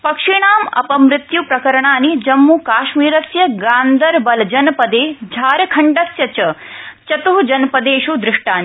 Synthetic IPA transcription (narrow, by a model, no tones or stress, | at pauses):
pɐkʂiɳaːmɐ̰pɐmɾɪt̪jupɾɐkɐɾɐɳaːnid͡ʒɐmːukaːʃmiːɾɐsjɐɡaːnd̪ʱɐɾbɐld͡ʒɐnpɐd̪eːd͡ʒʱaːɾɐkʰɐɳɖɐsjɐt͡ʃɐt͡ʃɐt̪uɦud͡ʒɐnpɐd̪eːʃud̪ɾɪʂʈaːni